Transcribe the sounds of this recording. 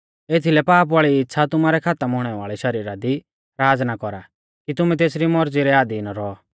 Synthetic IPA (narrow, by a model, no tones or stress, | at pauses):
eːt̪ʰilɛpaːpʋaːɭiɪtːʃʰat̪ʊmaːɾɛkʰaːt̪əmɦʊɽ̃ɛʋa̰ːɭɛʃɐɾiːɾad̪i | ɾaːd͡znakɔɾa | kit̪ʊmɛ̃t̪̬eːsɾimɔɾd͡ziɾɛaːd̪inaɾɔ